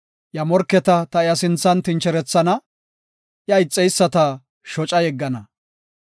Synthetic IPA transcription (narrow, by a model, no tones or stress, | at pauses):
jɐmɔɾkːɛt̪ɐt̪ɐɪjɐsɪnt͡sːɐnt̪ɪnt͡ʃɛɾɛt͡sːɐnɐ | jɐɪt͡sʼːɛjsːɐt̪ɐ | ʃɔt͡ʃʼɐjɛɡːɐnɐ